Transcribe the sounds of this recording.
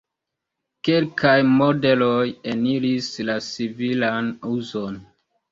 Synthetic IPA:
kelkʰajmode̞lojeniɾislat͡sivilanuzo̞n

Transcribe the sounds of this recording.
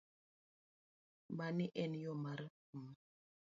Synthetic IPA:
baniʔɛnjɔmaɾ | m

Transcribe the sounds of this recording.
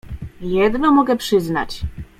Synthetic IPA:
jɛd̪nɔmɔɡɛpʂɘzna̰t͡ɕ

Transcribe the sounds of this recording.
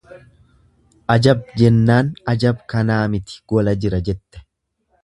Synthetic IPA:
ʔɐd͡ʒɐb̚d͡ʒɛnːaːnɐd͡ʒɐbkɐnaːmɪt̪ɪ̥ɡ̥ɔlɐd͡ʒɪɾɐd͡ʒɛt̪ːɛ̥

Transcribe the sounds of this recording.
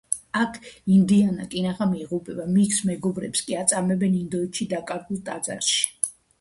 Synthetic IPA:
akʰind̪iana̰k̪ʼinaχamiiʁupʼɛbamiksmɛɡɔbɾɛ̰pskʼiat̪sʼamɛbɛnind̪ɔɛt̪ʃid̪akʼaɾɡulˠt̪ʼad̪za̰ɾʃi̥

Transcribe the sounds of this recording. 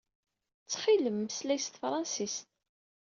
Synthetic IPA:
t͡sːχiləmːəslæjst̪fɾˤɑnsist̪

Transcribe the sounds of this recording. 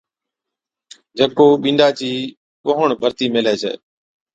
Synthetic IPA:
d͡ʒəkoːɓĩːnɖaːt͡ɕiː | ɓoɦəɳbʱəɾt̪iːmelɛːt͡ʃʰɛ̰ː

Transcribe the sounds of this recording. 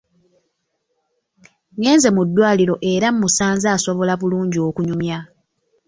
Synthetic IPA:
ŋe̞ːnze̞mudːwaːliɾo̞ʔe̞ɾammusaːnzaːso̞βo̞laβuluːɲɟio̞ːkuɲumja

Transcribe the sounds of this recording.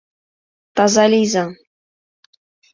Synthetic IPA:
t̪ɑzɑlʲijzɑ

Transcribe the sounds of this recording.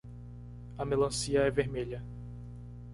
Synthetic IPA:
ɐmelɐ̃siɐɛveɾmeʎɐ

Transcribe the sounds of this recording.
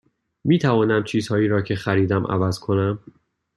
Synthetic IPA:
miːt̪ʰævɒːnæmt͡ʃʰiːz̥hɒːjiːɾɒːcʰe̞xæɾiːd̪æmʔæ̰væz̥kʰo̞næm

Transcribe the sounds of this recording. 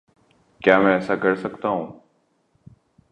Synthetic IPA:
kjaːmɛ̃ːəsaːɡʱəɽsəkt̪aːɦõː

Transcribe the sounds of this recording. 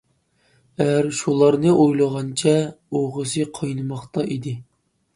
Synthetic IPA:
ɛjæɾʃulˠɑɾnɨʔojlˠəʁɑnt͡ʃʰɛ | oʁəsɨqʰɑjnɨmɑχt̪ɑʔid̪ɪ

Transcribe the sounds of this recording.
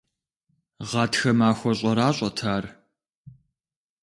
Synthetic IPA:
ʁɑːtxɐmaːxʷɔɕʼɐɾaːɕʼɐtʰaːr

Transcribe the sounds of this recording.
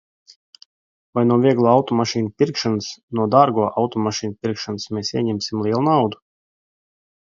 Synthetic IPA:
vajnuɔvʲiɛɡlˠuawt̪ɔmaʃiːnpʲiɾkʃanɨsnuɔd̪aːɾɡuɔʔawt̪ɔmaʃiːnpʲiɾkʃanɨsmʲeːsiɛɲʲɛmʲsʲimlˠiɛlˠunawd̪u

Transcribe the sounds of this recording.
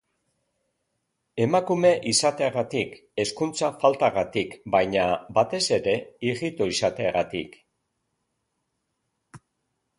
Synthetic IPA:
e̞makume̞ʔisat̪e̞aɣat̪ik | e̞skunt͡safalt̪aɣat̪ikbajɲabat̪e̞se̞ɾe̞iɣit̪o̞isat̪eaɣat̪ḭk

